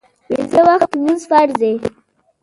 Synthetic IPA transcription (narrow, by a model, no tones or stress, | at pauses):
wezəwaxt̪munzfaɾze